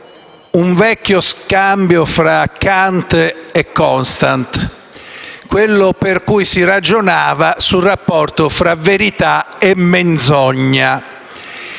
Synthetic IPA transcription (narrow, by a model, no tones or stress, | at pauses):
uɱvɛkːjoskambjofɾakːant̪ɛkːɔnst̪ant̪ | kwelːoperkujsirad͡ʒonaːvasurapːɔrt̪ofɾaveɾit̪a | emːend̪zɔɲːa